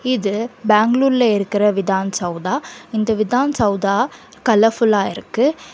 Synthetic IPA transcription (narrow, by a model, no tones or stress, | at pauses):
ɪðɯbaːŋɡluːɾɪlɐɪɾɯkːɪɾɐʋɪðaːnsɐʊd̪aːɪnd̪ɐʋɪðaːnsɐʊd̪aː | kɐlɐfʊlaːɪ̰ɾɯkːɯ